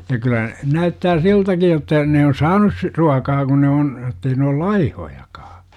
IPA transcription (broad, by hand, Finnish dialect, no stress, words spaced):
jɑ kylæ næytːæː siltæki jotːɑ ne on sɑːnus si ruɑkɑː kun ne on etːei ne ol lɑihojɑkɑː